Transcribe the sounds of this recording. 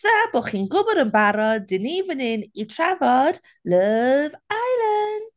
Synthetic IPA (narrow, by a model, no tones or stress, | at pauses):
sab̥oːχiːnɡʊbɔɾənbaɾɔdɪnivənɪnitʰravɔd̥ | ləvajlən